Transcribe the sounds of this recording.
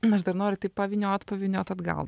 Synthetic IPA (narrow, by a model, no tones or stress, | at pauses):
ɐʃd̪ɐɾnoːɾʲʊt̪ɐɪppɐʋʲɪnʲoːt̪pɐʋʲɪnʲoːt̪ɐd̪ɡɐ̰lˠ